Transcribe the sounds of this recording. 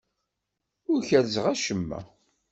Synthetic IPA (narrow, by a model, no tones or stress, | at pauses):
ʊɾçælzəʁæʃəmːæ̰